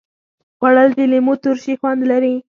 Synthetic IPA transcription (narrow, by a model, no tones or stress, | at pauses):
ɣwaɽəld̪ilimut̪ʊɾʃixwand̪laɾi